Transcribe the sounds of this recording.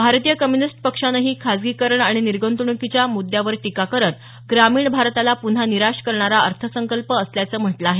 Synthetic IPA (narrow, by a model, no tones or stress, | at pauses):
bʱaɾt̪ijəkəmjunisʈpəkʂanəɦiːkʰad͡zɡikəɾəɳaɽ̃iniɾɡənt̪uɳ̃ukit͡ɕjamud̪ːjaʋəɾʈikakəɾət̪ | ɡɾamiːɳbʱaɾt̪alapun̤aniɾaʂkəɾɳaɾaəɾt̪ʰəsəŋkəlpəːsljat͡səːm̤əʈləaɦe